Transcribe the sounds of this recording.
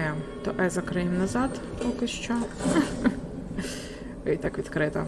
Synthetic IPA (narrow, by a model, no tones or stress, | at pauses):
jɛt̪ɔʔɛzɐkɾɪmnɐzɑd̪ | pɔkɪʃt͡ʃɔ | it̪ɑkʋʲid̪kɾɪt̪ɐ